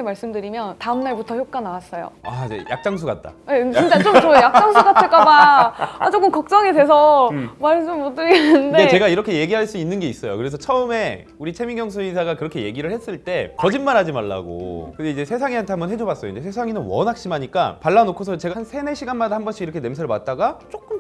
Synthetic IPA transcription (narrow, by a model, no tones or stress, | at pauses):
emaɭs͈ɯmdɯɾimjʌntaɯmnaɭbutʰʌçjok̚k͈anaas͈ʌjo̰ad͡ʑḛjʔa̰k̚t͡ɕ͈aŋs̬ʰuɡat̚t͈a̰et͡ɕint͡ɕ͈at͡ɕomt͡ɕoojak̚t͡ɕaŋsʰuɡatʰɯɭk͈aba | t͡ɕok͈ɯmkʌk̚t͡ɕ͈ʌŋedwe̞sʰʌmaɭs͈ɯmot͈ɯɡenːɯndedet͡ɕe̞ɡaiɾʌkʰe̞je̞ɡiɦaɭs͈uinːɯnɡe̞is͈ʌjo̰kɯɾe̞s̬ʰʌt͡ɕʰʌɯme̞ | uɾit͡ɕʰemiŋjʌŋs̬ʰuisʰaɡakɯɾʌkʰe̞je̞ɡiɾɯɭhe̞s͈ɯɭt͈e̞kʌd͡ʑinmanɦad͡ʑimaɭːa̰ɡo̰kɯndeid͡ʑesʰe̞s̬ʰaŋiɦantʰe̞ɦambʌnɦʰe̞d͡ʑobas͈ʌjoind͡ʑes̬ʰes̬ʰaŋinɯnwʌnak̚ɕ͈imaɲik͈a̰paɭːanokʰosʰʌt͡ɕe̞ɡaansʰe̞ne̞ɕʰiɡanmadahambʌnɕ͈ʰiiɾʌkʰe̞ne̞msʰeɾɭmat̚t͈aɡat͡ɕ͈ok͈ɯm